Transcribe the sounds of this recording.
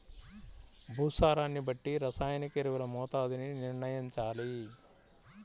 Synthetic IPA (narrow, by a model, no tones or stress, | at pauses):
bʱuːsaːɾaːnːibɐʈːiɾɐsaːjnɐkeɾɐʋulɐmɔːt̪aːd̪ininiɾɳɐjɐɲt͡ʃaːli